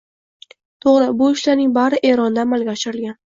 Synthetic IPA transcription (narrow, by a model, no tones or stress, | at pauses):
t̪ʰoʁɾɪbʊɪʃlaɾnɪŋbaɾɪʔe̞ɾɒnd̪aːmalɡʲaɒʃɪɾɪlɡʲan